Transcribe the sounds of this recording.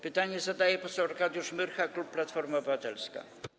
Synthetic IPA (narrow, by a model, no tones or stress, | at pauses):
pɘt̪aɲɛzad̪ajɛpɔsɛwɔɾkad̪juʂmɘɾxaklupːlat̪fɔɾmaɔbɘvat̪ɛlska̰